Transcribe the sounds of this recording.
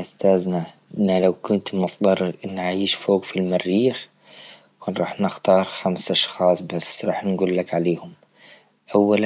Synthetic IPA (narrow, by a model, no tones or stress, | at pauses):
ʔʊst̪aːznaʔɪnːalawkʊnt̪mʊt̪d̪ˤɑrˤːɾʔɪnːʕʕiːʃfoːɡfilmarːiːx | kuːnɾˤɑːħnɪxt̪ɑːɾˤxamsʔɑʃxɑːsˤbasɾˤɑ̰ːħnɡuːlːakʕaleːhʊm | ʔawːal